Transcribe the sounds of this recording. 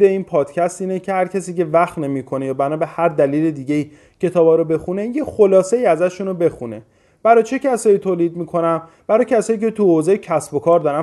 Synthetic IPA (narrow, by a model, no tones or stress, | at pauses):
eiːnpʰɒːd̪̥cʰæst̪iːnecʰe̞hæɾcʰæsiːce̞væxt̪nemiːkʰo̞ne̞jɒːbænɒːbehæɾd̪æliːle̞d̪iːɟe̞iː | cʰe̞t̪ʰɒːbɒːɾobe̞xune̞je̞xo̞lɒːse̞iːæzæʃunobe̞xune̞̰ | b̥æɾɒːt͡ʃʰe̞cʰæsɒːjiːt̪ʰoːliːd̪̚miːkʰo̞næm | b̥æɾɒːcʰæsɒːjiːcʰe̞t̪ʰuhozɒːjecʰæsbo̞kʰɒːɾd̪ɒɾæ